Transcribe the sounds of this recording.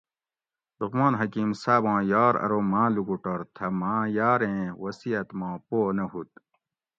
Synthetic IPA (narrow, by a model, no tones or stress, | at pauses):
lukmãːnɦɐkiːmsaːbãːjaːɾɐ̰ɾoːmãːlukuʈɐɾt̪ʰɐmãːjaːɾẽːwɐsiɐt̪mãːpoːnɐɦut̪̚